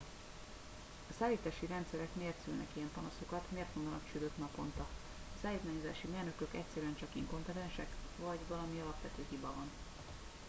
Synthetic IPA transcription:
ɒsaːliːt̪aːʃiɾɛnt̪sɛɾɛkmeːrt̪sylnɛkijɛmpɒnɒso̞kɒt̪meːrt̪mond̪ɒnɒ̰kt͡ʃyd̪øknɒpo̞nt̪ɒ | ɒsaːliːt̪maːɲo̞za̰ːʃimeːrnø̞kø̞kɛ̰csɛɾyɛnt͡ʃɒkiŋko̞mpɛt̪ɛnʃɛkvɒɟvɒlɒmiɒlɒpʋɛt̪øːɦibɒvɒn

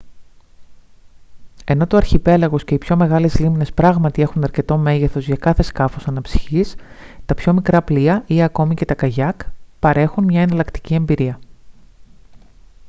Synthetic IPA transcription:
e̞no̞t̪oɐɾçipe̞lɐɣo̞sce̞ipço̞me̞ɣɐlezlimne̞spɾɐɣmɐt̪ie̞xunɐɾce̞t̪o̞me̞ʝe̞θo̞zʝɐkɐθe̞skɐfo̞sɐnɐpsi̥çis | t̪ɐpço̞mikɾɐpliɐʔieɐko̞mice̞t̪ɐkɐʝɐkpɐɾe̞xunmɲɐe̞nɐlɐkt̪i̥cie̞mbiɾiɐ

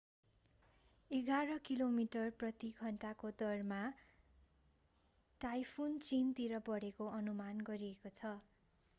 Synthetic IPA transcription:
eɡaɾʌkilomiʈʌrprʌt̪iɡʱʌɳʈakod̪ʌrma | ʈajpʰunt͡sint̪iɾʌbʌɽekoʌnumanɡʌɾiekot͡sʰʌ

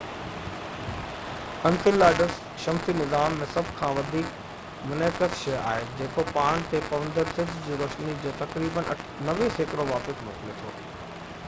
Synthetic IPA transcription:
ɐnfɪlaːɖəs | ʃɐmsinɪzaːmːẽsɐbʱkʰãːʋɐd̪ʱiːk | mʊneːkəsʃɐja̰ːɦed͡ʑeːkopaːɽ̃t̪epɐʋə̃nd̪əɾsɪd͡ʑʱd͡ʑiːɾoʃnid͡ʑeːt̪ɐkɾiːbənʔɐnɐʋiseːkɾoʋaːpɪsmo̰ːkɪlet̪ʰoː

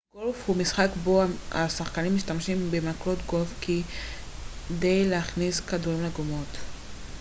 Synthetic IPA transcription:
ɡ̥olfhumisχakbo̞aa̰saχkanimːiʃtamʃimbemaklo̞tɡo̞fki | de̞jleaχniskaduʁimleɡomo̞t

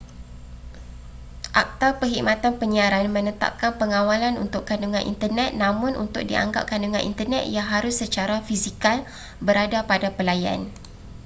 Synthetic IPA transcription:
ʔak̚t̪apəɦikmãt̪anpəɲiaɾanmə̃nət̪a̰p̚kanpəŋãwalanṵnt̪ʊkːanuŋãnʔḭnt̪ərnɛt̪̚nãmʊ̃nṵnt̪ʊk̚diʔa̰ŋɡa̰p̚kanduŋã̰nʔḭnt̪ərnɛt̪̚jaŋɦaɾʊsːət͡ʃaɾafisikal | bəɾadapadapəlaja̰n

